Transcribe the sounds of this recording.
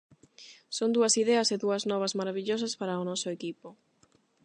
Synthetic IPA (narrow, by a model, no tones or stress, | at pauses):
sond̪uɐsiðɛɐseðuɐznɔβ̞ɐzmaɾaβiʎosɐspaɾaʊnɔsʊekipo